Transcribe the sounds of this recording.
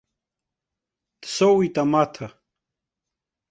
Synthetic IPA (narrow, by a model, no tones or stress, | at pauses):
t̪sowit̪amaːt̪ʰɐ